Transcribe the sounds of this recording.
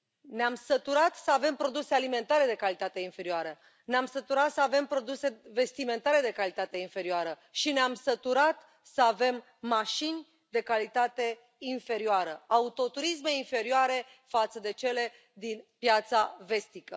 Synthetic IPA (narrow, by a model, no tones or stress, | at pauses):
neamsət̪uɾat̪səave̞mpɾo̞d̪use̞alime̞nt̪aɾe̞d̪e̞kalit̪at̪e̞infe̞ɾioaɾə | neamsət̪uɾat̪səave̞mpɾo̞d̪use̞ve̞st̪ime̞nt̪aɾe̞d̪e̞kalit̪at̪e̞infe̞ɾioaɾə | ʃineamsət̪uɾat̪ | səave̞mː | aʃinʲ | d̪e̞kalit̪at̪e̞ | infe̞ɾioaɾəaut̪o̞t̪uɾis̬meinfe̞ɾioaɾe̞ | fat̪səd̪e̞t͡ʃe̞le̞ | d̪inpjat̪save̞st̪ikə